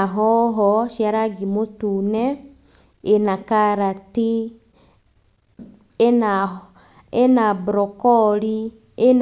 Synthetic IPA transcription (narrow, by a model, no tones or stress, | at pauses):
aɦɔɦɔʃjaɾaɡimotunɛ | enakaɾati | ena | enabɾɔkɔɾi | en